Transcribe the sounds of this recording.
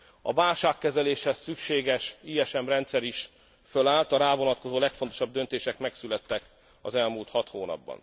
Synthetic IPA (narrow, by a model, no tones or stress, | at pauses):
ɒ̰vaːlʃaːkːɛzɛleːʃhɛsːykʃeːɡɛʃiːɛʃɛmrɛnt̪sɛɾiʃ | følaːlt̪ɒɾaːvo̞nɒt̪ko̞zoːlɛkfont̪o̞̥ʃɒb̚d̪ø̞nt̪eːʃɛkmɛksylɛt̪ːɛk | ɒ̰zɛlmuːlt̪hɒt̪hoːnɒ̰bːɒ̰n